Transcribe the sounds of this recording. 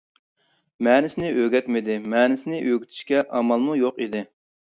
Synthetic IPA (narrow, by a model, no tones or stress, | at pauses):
mɛːnɪsɪnɪʔøɡʲɛt̪mɪd̪ɪmɛːnɪsɪnɪʔøɡʲyt̪ʰɪ̥ʃkʲɛʔɑmɑlˠmujoqid̪ɪ